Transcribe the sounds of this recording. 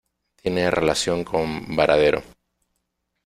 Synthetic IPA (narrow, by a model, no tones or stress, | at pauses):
t̪jene̞relasjo̞ŋkʰo̞mbaɾʔaðe̞ɾo̰